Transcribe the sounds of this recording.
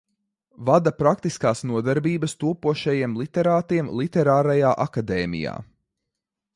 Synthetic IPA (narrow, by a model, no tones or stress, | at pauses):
vad̪apɾak̚t̪iskaːsnuɔd̪ɛɾbiːbɐst̪uɔpuɔʃɛjiɛmlˠit̪ɛɾaːt̪iɛmlˠit̪ɛɾaːɾajaːʔakad̪ɛːmḭja̰ː